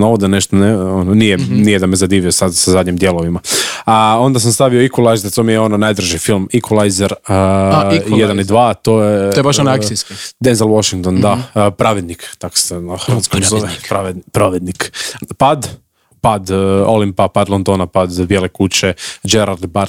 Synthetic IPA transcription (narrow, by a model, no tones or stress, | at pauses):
noʋod̪aneʃt̪oneononijenijɛd̪amezad̪iːʋiosad̪sazad̪ɲimd̪je̞lˠoʋimaao̞nd̪as̬amst̪aʋioikolˠajzeɾt̪omijeo̞nonajd̪ɾ̩ʒifilˠmikolˠajzeɾə | jed̪anid̪ʋaːt̪ojeoebaʃonaaiskid̪enzelˠoʃiŋkt̪ond̪apɾaʋed̪nikt̪ako̥sexəɾʋat̪konazoʋepɾoʋed̪pɾoʋed̪nikpad̪ | pad̪olimpapad̪lˠond̪onapad̪bjelekut͡ɕed͡ʒeɾald̪baɾ